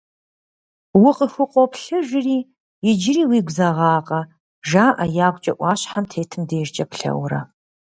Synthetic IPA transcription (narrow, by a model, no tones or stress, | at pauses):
wʊqʼəxʷʊqʷʼɔpɬɨʒʷɪriː | jɪd͡ʒɪriːwiːɡʷzɐʁɑːqʼɐ | ʒaːʔɐjaːɡʷt͡ʃʼɐʔʷɑːɕħamtʰeːtʰɨmdeːʒt͡ʃʼɐpɬɐ̰wɾɐ̰